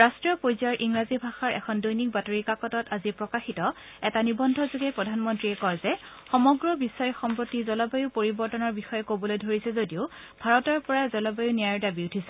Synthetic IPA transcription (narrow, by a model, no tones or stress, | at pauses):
ɹastɹijɔpojzaɹʔiŋɹazibʱaxaɹʔɛ̰kʰɔndojnik̚batoɹikakɔtɔtazipɹɔkaxitɔ | ɛtanibɔndʱɔzoɡɛpɹɔdʱanmɔntɹiɛkɔɹzɛ | xɔmɔɡɹɔbisɔjɔxɔmpɹotizɔlɔbajuʊpoɹibɔɹtɔnɔɹbixɔjɛkobɔlojdʱoɹisɛzodiʊ | bʱaɹɔtɔɹpɔɹazɔlɔbajunijaɹdabiutʰisɛ